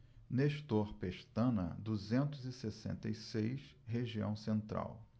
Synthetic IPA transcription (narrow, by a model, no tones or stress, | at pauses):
neʃt̪oɾpeʃt̪ɐ̃nɐ̰d̪uzẽnt̪ʊzɪsesḛ̃nt̪ɐjsejʃɦeʒiɐ̰̃w̃sẽnt̪ɾa̰w